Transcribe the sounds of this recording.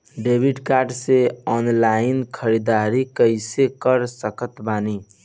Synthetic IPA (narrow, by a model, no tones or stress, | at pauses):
ɖebʱiɖkaɾɖseɔnlaɪinkʰəɾid̪aɾikəɪsekəɾsəkət̪bani